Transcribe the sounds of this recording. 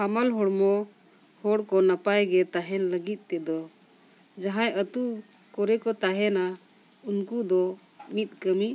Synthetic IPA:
hamalɦɔɽmɔ | hɔɽkɔnapajɡɛt̪aɦɛnləɡit̪̚ˀt̪ɛd̪ɔ | d͡ʒaɦãjət̪u | kɔɾɛkɔt̪aɦɛna | unkud̪ɔ | mit̪̚ˀkəmi

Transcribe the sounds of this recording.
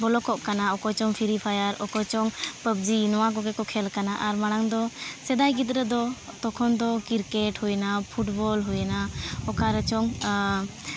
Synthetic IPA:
bɔlɔkɔʔkanaɔkɔt͡ʃɔŋpʰiɾipʰajaɾɔkɔt͡ʃɔŋpəb̚d͡ʒinɔwaɡɔɡɛkɔkʰɛlkanaʔaɾmaɽ̃aŋd̪ɔsɛd̪ajɡid̪ɾəd̪ɔ | t̪ɔkʰɔnd̪ɔkiɾkɛʈhujnapʰuʈbɔlɦujnaɔkaɾət͡ʃɔŋ

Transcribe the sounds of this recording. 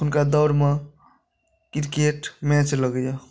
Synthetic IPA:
unkad̪ʌwɾme | kiɾkeʈmɛ̃t͡ʃləɡəjo

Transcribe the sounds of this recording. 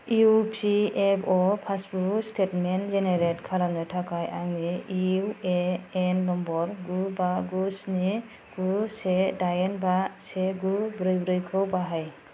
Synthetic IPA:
upʰiebɔpʰasbuɾstʰetmenzeneɾetkʰaɾamnɔtʰakajʔaŋniieenːɔmbɔɾɡubaɡusni | ɡ̥usedajenbaseɡubɾɯjbɾɯjkʰɔwbaɦaj

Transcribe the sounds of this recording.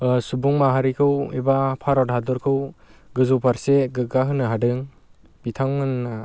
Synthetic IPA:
subuŋmaɦaɾikʰɯwibapʰaɾɔdhadɔɾkʰɯwɡɯzɔpʰaɾseɡɯɡaɦɯnɯɦadɯŋ | b̥itʰaŋmɯna

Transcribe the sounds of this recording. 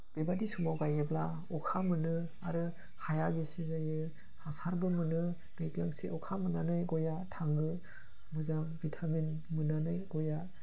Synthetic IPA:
b̥ebadisumawɡajebla | ɔkʰamɯnɯ | aɾɯ | hajaɡesizajɯ | hasaɾbɯmɯnɯ | ɾezlaŋsiʔɔkʰamɯnanɯjɡɔjatʰaŋɯ | mɯzaŋbitʰamen | mɯnanɯjɡɔja

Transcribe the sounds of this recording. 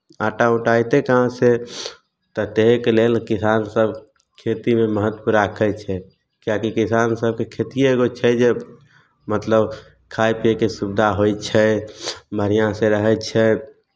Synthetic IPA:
aʈauʈajt̪ekəɦãse | t̪ət̪eɦekelelkisaːnsəb | kʰet̪imẽməɦət̪puɾakʰɛt͡ʃʰɛ | kjakikisansəb̚kekʰet̪ijeeɡot͡ʃʰɛd͡ʒe | mət̪ləb | kʰajpiekesubd̪ʱaɦojt͡ʃʰɛ | məɾijãseɾəɦɛt͡ʃʰɛ

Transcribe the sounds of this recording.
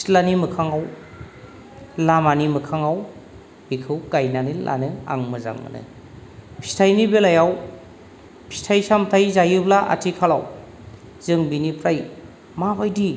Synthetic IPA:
tlanimɯkʰaŋaw | lamanimɯkʰaŋaw | b̥ikʰɯwkajnanilʔa̰nɯa̰ŋmɯza̰ŋmɯ̰nɯ̰ | pʰi̥stʰajnibelajaw | pʰi̥stʰajsamtʰajzajɯblaʔa̰tʰikʰala̰w | zɯŋbinipʰɾaj | mabajdi

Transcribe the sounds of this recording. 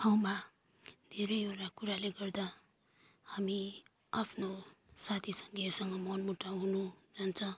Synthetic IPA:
awma | d̪ʱeɾʌjoɾakuɾaleɡʌrd̪a | hami | apʰnosat̪ʰisʌŋɡʌsʌŋɡʌmʌnmuʈaɦunud͡zant͡sʰʌ̃

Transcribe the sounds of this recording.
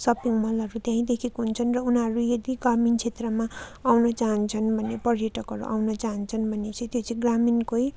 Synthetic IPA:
sʌpiŋmʌlʌɾut̪jãĩd̪ekʰikoɦunt͡sʰʌnrʌunɦʌɾujed̪iɡramint͡sʰet̪rʌmaawnʌt͡saɦʌnt͡sʰʌnbʱʌnːepʌrjʌʈʌkɦʌɾṵʔa̰wnʌt͡saɦʌnt͡sʰʌnbʱʌnːet͡sʌ̃ĩt̪jot͡sʰĩɡraminkoj

